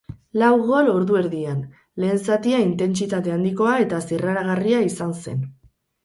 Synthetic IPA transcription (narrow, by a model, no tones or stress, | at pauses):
lawɣo̞lo̞ɾðue̞ɾðian | le̞ːnsat̪iaint̪e̞nt͡sit̪at̪e̞and̪iko̞ae̞t̪asiraɾaɣ̞ariaisanse̞̰n